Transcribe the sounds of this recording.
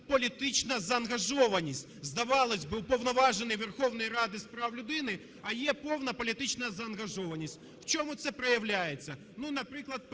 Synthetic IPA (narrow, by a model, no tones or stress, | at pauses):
pɐlʲɪt̪ɨt͡ɕnɐzɐɐnɣɐʐoʋɐnʲɪsʲtʲzd̪ɐʋɑlˠɐsʲbɨʊpɐwnɐʋaʐɨnɨjʋʲɛrxovnɐjɐɾad̪ɨspɾawlʲʊd̪ɪnɪ | ɐjepownɐpɐlʲɪt̪ɪt͡ɕnɐzɐːnɣɐʐɔvɐnʲɪsʲtʲ | ft͡ʃomʊt̪sɛpɾɐjɐʋlʲæjɪt̪sʲɐ | nunɐpɾɨklˠɐt̪̚